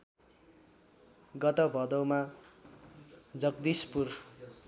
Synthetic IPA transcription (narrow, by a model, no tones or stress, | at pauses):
ɡʌt̪ʌbʱʌd̪ʌwma | d͡zʌɡd̪ispur